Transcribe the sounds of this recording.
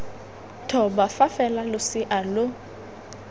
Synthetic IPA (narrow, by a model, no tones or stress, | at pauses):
tʰɔbafafɛlalʊsɪʔalʊ